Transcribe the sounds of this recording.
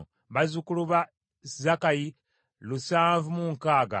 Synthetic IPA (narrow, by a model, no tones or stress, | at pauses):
βazukuluβa | zakaji | lusaːɱvumuŋkaːɡa̰